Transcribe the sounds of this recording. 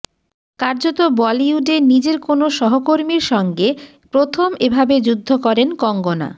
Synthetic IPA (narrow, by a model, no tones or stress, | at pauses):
kaɾd͡ʑot̪obɔliuɖenid͡ʑeɾkonoʃɔɦokoɾmiɾʃɔŋɡe | pɾot̪ʰomebʱabed͡ʑud̪ʱːokɔɾenkɔŋɡona̰